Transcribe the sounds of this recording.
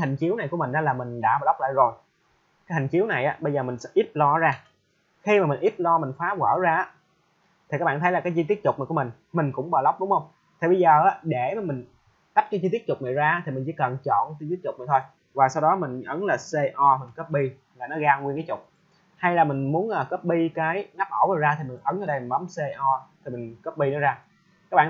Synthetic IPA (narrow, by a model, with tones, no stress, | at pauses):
ha˨˩ŋ̟t͡ɕi˨˦əwna˨˩jku˧˩əmï˨˩ŋ̟ʔaː˨˦laː˨˩mï˨˩ŋ̟ɗa̰ː˧˥˩ɓaː˨˩la˦˥k͡p̚la̰ː˧˨jzo˨˩j | kaː˨˦jhi˨˩ŋ̟t͡ɕi˨˦əwna˨˩jʔaː˨˦ɓə˧jzəː˨˩mï˨˩ŋ̟sɛ̰˧˥ʔi˦˥p̚lɔ˧zaː˧ | xi˧maː˨˩mï˨˩ŋ̟ʔi˦˥p̚lɔ˧mï˨˩ŋ̟faː˨˦ɣəː˧˩zaː˧ʔaː˨˦ | t̪ʰi˨˩ka˦k̚ɓaː˧˨t̪ʰə˦jla˨˩kaː˨˦jzi˧t̪i˦˥ət̚tʊ˨˩k͡pna˨˩ku˧˩əmï˨˩ŋ̟ | mï˨˩ŋ̟kʊ̰˧˥ŋ͡mɓɔː˨˩lə˦wk͡p̚ɗʊ˨˦ŋ͡mhə˧wŋ͡m | t̪ʰi˨˩ɓə˧jzəː˨˩ʔaː˨˦˥ɗe˧˩maː˨˩mi˨˩ŋ̟ | t̪a˦˥p̚ka˧˦jzi˧t̪i˦˥ət̚tʊ˨˩k͡p̚na̰ː˨jzaː˧˦t̪ʰi˨˩mï˨˩ŋ̟t͡ɕḭ˧˦kə˨˩nt͡ɕɔ̰˧˨nt̪i˦˥t̚t͡ɕʊ˨˩k͡p̚a˨˩t̪ʰo˧j | vaː˨˩sa˧wɗɔ˨˦mï˨˩ŋ̟ʔə˨˦nlaː˨˩se˧ʔɔ˧mï˨˩ŋ̟kəː˦˥p̚ɓi˧ | laː˨˩nɔ˨˦ɣaː˧ŋwi˧ənkaː˨˦jt͡ɕʊ˨˩k͡p̚ | ha˧jlaː˨˩mï˨˩ŋ̟mu˨˦ənʔaː˨˩kəː˦˥p̚ɓi˧kaː˨˦jŋa˦˥p̚ʔoː˧˩wnɔː˨˩zaː˧t̪ʰi˨˩mï˨˩ŋ̟ʔə˨˦nʔəː˧˦ɗə˧jmi˨˩ŋɓa˨˦mse˧ʔɔ˧t̪ʰi˨˩mï˨˩ŋ̟kəː˦˥p̚ɓi˧nɔ˨˦zaː˧ | ka˦˥k̚ɓa̰ː˧˨